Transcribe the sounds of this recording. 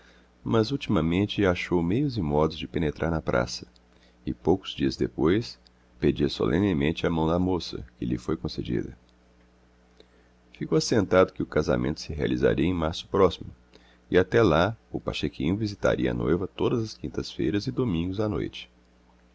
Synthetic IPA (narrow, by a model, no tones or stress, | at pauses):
mɐzut͡ʃimɐmẽnt͡ʃɪaʃowmejʊzɪmɔd̪ʊzd͡ʒɪpenet̪ɾʔaɾnɐpɾʔa̰sɐ̥ | ɪpowkʊ̥z̥d͡ʒiɐzd̪epojs | ped͡ʒiɐso̰lʔḛ̃nɪmẽnt͡ʃɪamɐ̃w̃d̪ɐmosɐ̰kɪʎɪfojkõsed͡ʒḭd̪ɐ̰ | fikowasẽnt̪ad̪ʊkɪʊkaza̰mẽnt̪ʊ̥sɪɦea̰liza̰ɾiɐẽmaɾsʊ̥pɾɔsimʊ | ɪat̪ɛlaʊpa̰ʃekʰĩɲʊvizit̪a̰ɾiɐ̰a̰no̰jvɐt̪od̪ɐzɐskĩnt̪ɐsfejɾɐzɪd̪omĩŋɡʊzano̰jt͡ʃɪ̥